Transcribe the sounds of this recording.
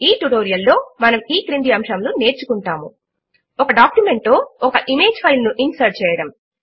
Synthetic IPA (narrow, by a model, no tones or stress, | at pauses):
iːʈuʈoːɾijɐlːo̞ːmɐnɐmiːkɾind̪iɐmʃɐmlune̞ːɾt͡ʃukuɳʈaːmṵ | ɔkɐɖaːkjume̞ɳʈːoːɔkɐʔime̞ːd͡ʒpʰɐjlnuʔinsɐɾt͡ʃɛːjɐɽɐm